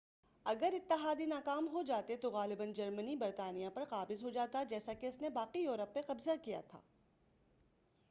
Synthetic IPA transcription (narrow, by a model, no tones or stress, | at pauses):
ɐɡəɾɪt̪ːɪɦaːd̪inaːkaːmɦod͡ʒaːt̪et̪oɣaːlɪbənd͡ʒɐɾmənibɐɾt̪aːnijãpɐɾqaːbɪzɦod͡ʒaːt̪ad͡ʒɛːsakeʊsnebaːqijoːɾəpːeqɐbzakija̰t̪ʰa̰ː